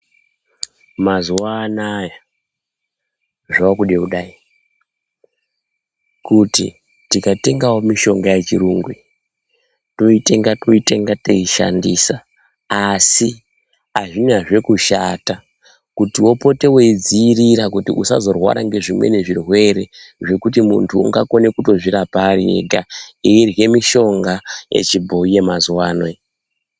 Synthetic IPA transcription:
mazuwaːnaja | ʐaakuɗeuɗaːi | kutḭ | tikate̞ŋɡawomiʃo̞ŋɡajet͡ʃiɾuːŋɡwi | to̞ite̞ŋɡatoite̞ŋɡateiʃa̰ndiːsa | asi | aʐinaʐe̞kuʃaːta | kutiwo̞po̞te̞weid͡ziːriɾakutḭʔṵsazo̞rwa̰ɾaŋɡe̞ʐimwe̞̰ne̞ʐirwe̞ɾe̞ʐe̞kutimṵntʰṵːŋɡako̞ne̞kuto̞ʐiɾapaɾiḛɡʱaeirje̞miʃo̞ŋɡaje̞̰t͡ʃibʱo̞ije̞mazuwaːnwe

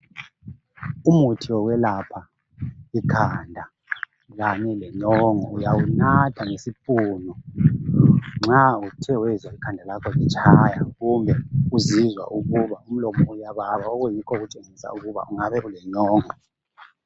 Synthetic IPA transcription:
umutʰiwɔɣwɛlapʰa | ikʰandʱa | ɣaɲɛlɛɲɔŋɔujawunatʰaŋesipʼuːnɔ | ŋ͡ǁautʰɛwɛzaikʰandʱalakʰɔɣɛt͡ʃʰʼajaɣumbʱɛuzizwa̰ʔuɣuβaum̩lɔmɔujaβaβaɔɣujikʰɔɣut͡ʃʼeŋisa̰uɣuβa̰ʔuŋaβɛʔulɛɲɔːŋɔ

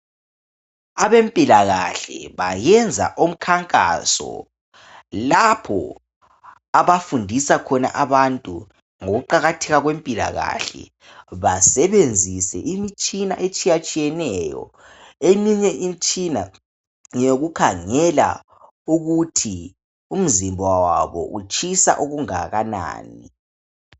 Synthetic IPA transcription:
aβempʼilaɣaɬɛ̰βajɛnd͡zʱa̰ʔom̩kʰaŋkʼa̰sɔ̰ | lapʰɔ̰ | aβafundʱisakʰɔna̰ʔaβantʼṵ | ŋoɣuǃaɣatʰɛɣaɣwempʼila̰ɣa̰ɬɛ̰ | βasɛβend͡zʱisɛʔimit͡ʃʼina̰ʔet͡ʃʼijat͡ʃʼijɛnɛjɔ̰ | emiɲɛʔimit͡ʃʼina | joɣukʰaŋɛla̰ | uɣutʰi | um̩zimbʱwawaβɔ̰ʔut͡ʃʼisa̰ʔuɣuŋaɣana̰ːni

